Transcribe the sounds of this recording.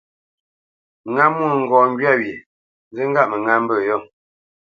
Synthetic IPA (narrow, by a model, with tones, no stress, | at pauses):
ŋa˦mwu˦˨ŋ̩˨ɡɔː˨ŋ˦ɡɥa˦wje˨ | nzə˦ŋ̩˦ɡa˦ʔmə˨ŋa˦m˦bə˦˨jɔ˦˨